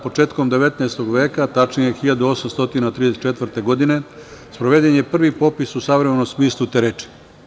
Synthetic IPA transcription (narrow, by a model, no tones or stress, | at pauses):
po̞t͡ʃe̞ːt̪ko̞md̪e̞ʋe̞t̪naest̪o̞ɡʋe̞ːkat̪at͡ʃnije̞xiʎad̪uo̞samst̪o̞t̪inat̪ɾid̪eset̪t͡ʃe̞t̪ʋr̩t̪e̞ɡo̞d̪ine̞spɾoʋed̪enjepr̩ʋipo̞pisusaʋɾemeno̞msmiːslˠut̪eɾet͡ʃi̥